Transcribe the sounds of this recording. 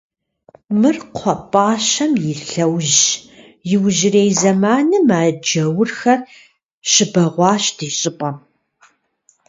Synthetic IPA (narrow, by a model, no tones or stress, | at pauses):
mɨrqʷʰɔpʼaːʃɐmjɪɬɐwʒ | jɪwʒɪreːjzɐmaːnɨmaːd͡ʒɐwʊrxɐr | ʃɪbɐʁʷɑːɕd̥iːɕʼɪpʼɐm